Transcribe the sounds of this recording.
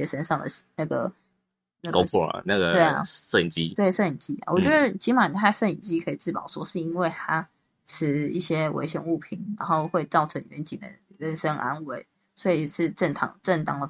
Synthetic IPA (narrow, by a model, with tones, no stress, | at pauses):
jɛ˥ʂə˥nʂɑ˥˩ŋd̪ə̰˩˨na˥˩ɡə̰˩ | na˥˩ko˥ʊɔ̰˨na˥˩ɡə˩we˥˩ɪ̰˨ʂə˥˩i˨˩nt͡ɕi˥t̪we˥˩ɪʂə˥˩ni˨˩nt͡ɕi˥a̰˨˩wɔ̰˨˩t͡ɕɥɛ˧˦˥d̪ə˨˩t͡ɕi˧˥ma˨n˩t̪ʰa˥˧ʂə˥˩nḭ˨˩nt͡ɕi˦˥kʰɤ˧˥i˨˩t͡sɹ̩˥˩pɑ˨˩ʊʂwɔ˥ʂɻ̩˥˧i˥nwe˥˩ɪt̪ʰa˥ | ʈ͡ʂʰɻ̩˧˥i˥˩ɕjɛ˥wḛ˧˥ɪɕjɛ̰˧˦nu˥˩pʰi˨˩˦nɻa˧˥nxo˥˧ʊxwe˥˧ɪt͡sɑ˥˩ʊʈ͡ʂʰə˧˥ŋɥɛ˧˥nt͡ɕi˨˩nd̪ə̰˦ɻə˧˥˩nʂə˦˥ŋʔa̰˥nwe˧˩˦ɪ | swɔ˧˥i˨˩ʂɻ̩˥˧ʈ͡ʂə˥˩ŋt̪ʰɑ̰˨˩ŋʈ͡ʂə˥˩ŋt̪ɑ˥ŋd̪ə˨˩